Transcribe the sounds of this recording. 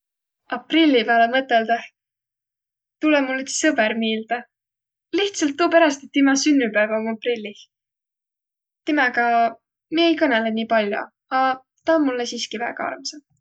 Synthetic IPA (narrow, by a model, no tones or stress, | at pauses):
ɑprilʲːipeæːlemɤt̪ːˑeld̪ɑh | t̪ulemulːet̪sɤbeɾmiːld̪̥ɑ | liht̪sɑlt̪ːuːpeɾɑst̪et̪ːimɑsynːypæːvɑmuɑprilʲːih | t̪imɑɡɑ | mieejkɤnelenʲiːpɑlʲjo̰ | ɑ | t̪ɑnmulːesiːskivæ̰ːɡ̥ɑɑ̰rmse